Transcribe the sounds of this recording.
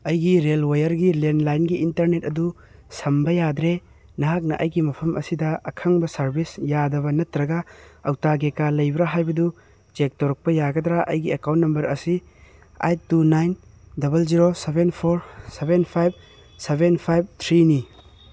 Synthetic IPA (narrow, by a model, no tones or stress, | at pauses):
ɐjɡiɾelwajɐɾɡilenlajnɡiintɐɾnet̚ɐdu | sɐmbɐjad̪ɾe | nɐɦak̬̚nɐʔɐjɡimɐpʰɐmʔɐsidɐɐkʰɐŋbɐsɐɾbisjadɐβɐnɐtːɾɐɡaɐwtaɡekalɐjbɾaɦajbɐdu | d͡ʒek̚toɾɐk̚pɐjaɡɐd̪ɾaʔɐ̰jɡiekaw̃ntːɐmbɐɾɐsi | a̰jtunajndɐbɐlziɾosebenpʰoɾsebenpʰajb̚ | sebenpʰajb̚t̪ʰɾini